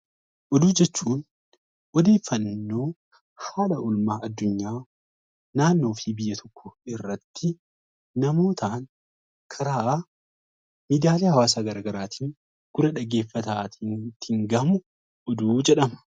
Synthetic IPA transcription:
ʔɔd̪uːd͡ʒɛt͡ʃːuːn | ʔɔd̪e̞ːfːɐnːo̞ː | haːlɐʊlmaːʔɐd̪ːʊɲːaː | naːnːo̞ːfibɪjːɐt̪ʰɔkʰːʊɪrːɐt̪ːɪ | nɐmo̞ːt̪ʰaːn | kʰɐɾaːʔaː | mid̪aːleːhɐwaːsaːɡɐɾaːɡɐɾaːt̪ʰiːŋ | ɡ̥ʊɾɐᶑɐɡe̞ːfːɐt̪aːt̪ʰiːnt̪ɪŋɡɐmʊ | ʔɔd̪uːd͡ʒɛᶑɐmɐ̥

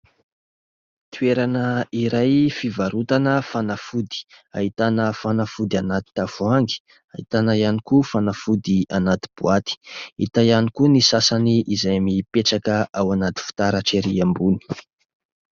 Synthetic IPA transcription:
t̪ueɾanəiɾajfivaɾut̪anəfanafud̪i̥a̰ɦit̪anəfanafud̪ianat̪i̥t̪afuaŋɡi̥ | aɦḭt̪anəjanikufanafud̪ianat̪i̥b̥uat̪i̥ḭt̪ajanikunisasaniʔizajamipeʈ͡ʂakəʔawanat̪i̥fu̥t̪aɾaʈ͡ʂeɾiambuni̥

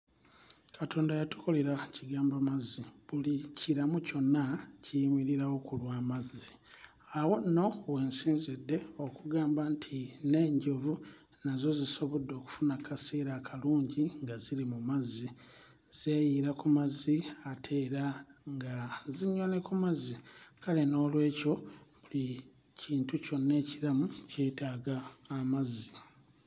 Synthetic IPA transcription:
katʰo̞ːndajatu̥ko̞le̞ɾaciɡaːmbamaziβuliciɾamuco̞nːacimiɾiɾawo̞kulwaːmazi | awo̞nːo̞we̞ːnsiːnzidːe̞o̞kuɡaːmbantʰine̞ːɲɟo̞vu | nazo̞ziso̞βodːo̞ːku̥funakʰaseːɾakʰaluːɲɟiŋɡaziɾimumazːi | z̥e̞ːjiɾakumaziatʰe̞ːɾaŋɡaziɲːo̞ne̞kumazikale̞no̞ːlwe̞ːco̞βuli | ciːntuco̞nːe̞ːciɾamuce̞ːtaːɡaːmazːi

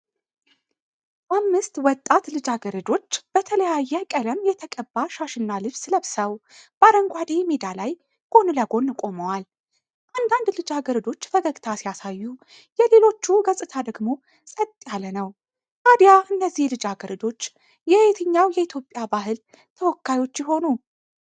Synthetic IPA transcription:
ʔamːɨst̪wɔt̪ʼːat̪lɨd͡ʒaɡəɾəd̪o̞t͡ʃːb̥ət̪ʰələjajːɛkʼələmjɛt̪ʰəkʼəbːaʃaʃɨnːalɨβsləβsəwb̥aɾəŋɡʷad̪emed̪alaj | ɡ̥o̞nɨləɡo̞nːkʼo̞məwal | ʔand̪and̪lɨd͡ʒaɡəɾəd̪o̞t͡ʃːfəɡəɡt̪ʰasijasajːu | jɛle̞lo̞t͡ʃːuɡəsʼɨt̪ʰad̪əɡmo̞ | sʼət̪ʼːjalənəw | ʔad̪jaʔɨnːəzːihlɨd͡ʒaɡəɾɨd̪o̞t͡ʃː | jɛhwt̪ʰəɲːawjɛit̪ʰjo̞pʼjabaɦɨl | t̪ʰəwɔkːajwo̞t͡ʃːjɪɦo̞nu

